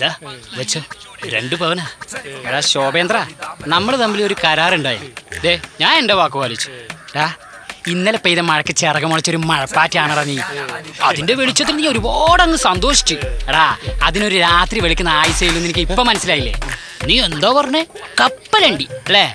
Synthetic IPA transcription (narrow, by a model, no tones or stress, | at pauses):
d̪aʋɐt͡ɕːoɾe̞̰ɳɖɨpɐʋɐnaːeɽaːɕoːbeːnd̪ranɐmːɐɭɨt̪ɐmbilioɾukɐɾaːruɳɖaːjɐd̪eːɲaːnendeʋaːkːuʋaːlit͡ɕːu̥ɽaː | inːɐlepːejðɐmɐɻɐkːɨt͡ɕːerɐkːɐmoɭɐt͡ɕːoɾumɐɻɐpːaːtːiaːɳɐrɐːnːiːɐ̰ðinde̞ʋeɭit͡ɕːɐt̪̬ːilniːoɾuboːɽɐŋːɨsɐnd̪o̞ːʂi̥t͡ɕːɨeɽaːɐðino̞ɾuɾaːt̪riʋeɭik̬ʲːunːɐaːjisɐjilːunːenikʲːipːɐmːɐnɐsːilaːjilːḛ | niːend̪oːpɐrɐɲːekɐpːɐleɳɖiɐlːeː